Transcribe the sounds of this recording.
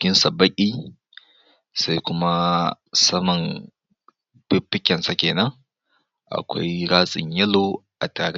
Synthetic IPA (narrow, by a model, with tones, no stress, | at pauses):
kʲɪ˦nsa˨bɐ˦kʲʼiː˦ | sa˦jkʷʊ˦ma˦ | sɐ˦mɐ˨ŋ | b̥ɪ˦pːɪ˦kʲɛ˨nsa˨kʲeː˨nɐ˦ŋ | ʔa̰˨kʷa̰˦jɽaː˦sʼɪ̰˨ɲjɐ˦lo˨ʔa˨taː˨ɽe˦